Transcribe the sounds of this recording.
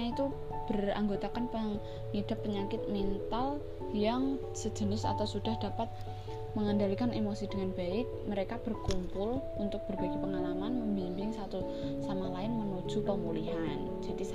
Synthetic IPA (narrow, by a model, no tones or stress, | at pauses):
ait̪u | b̥əra̰ŋɡot̪akanpə | ŋid̥a̤pːəɲakɪt̪̚mɛnt̪al | jaŋ | sə̥d͡ʒ̥ə̤nɪsa̰t̪awsud̥a̤hd̥a̤pat̪̚ | məŋandalikanemosid̥əŋanb̥aɪk̚məɾekab̥ərkumpʊl | unt̪ʊk̚b̥ərbaɡepəŋalamanməmbimbɪŋsat̪u | samalaɪnmənud̥ʒ̥ṳpəmuliɦan | d͡ʒ̥ad̥is